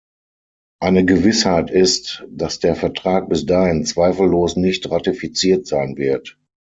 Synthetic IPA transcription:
ʔaɪnəɡəvɪshaɪtɪstd̥asd̥eːɐfɛɐtʁ̥aːk̚b̥ɪsd̥aːhɪnt͡sv̥aɪfl̩ːoːsnɪçtʁatifit͡siːɐtz̥aɪnvɪɐt

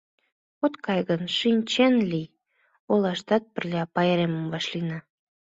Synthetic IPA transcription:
ot̪kɑjɣənʃinʲt͡ɕenlij | olɑʃt̪ɑt̪̚pərlʲɑpɑjeɾeməmβɑʃlinɑ

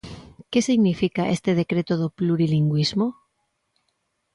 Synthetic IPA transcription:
ke̞siɣnifikaʔḛst̪eð̞e̞kɾe̞t̪oðopluɾiliŋɡwizmo

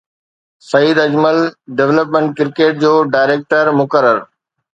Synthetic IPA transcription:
sɐiːd̪ɐd͡ʑməlɖeʋləpmẽɳʈ̚kɪɾkeːʈ̚d͡ʑoːɖaːɪɾeːk̚ʈəɾmʊkəɾəɾ

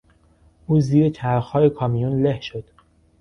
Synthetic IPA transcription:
ʔuːziːɾet͡ʃʰæɾxɒːjekʰɒːmijunlehʃo̞d̪̥

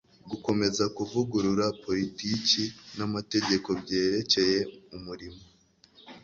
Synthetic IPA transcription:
ɡuko̞me̞zakuvuɡuɾuɾapo̞ɾiticinamate̞ɟe̞ko̞bɟe̞ːɾe̞ce̞je̞umuɾimo

